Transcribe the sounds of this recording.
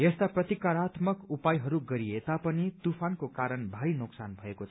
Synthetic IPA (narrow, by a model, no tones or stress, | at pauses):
jest̪aprʌt̪ikaɾat̪mʌkupajɦʌɾuɡʌɾiet̪apʌnit̪upʰankokaɾʌnbʱaɾinuksanbʱʌekot͡sʰʌ